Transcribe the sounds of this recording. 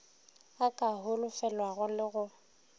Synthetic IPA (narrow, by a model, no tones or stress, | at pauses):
akʼaɦʊlʊfɛlwaɣʊlɪɣʊ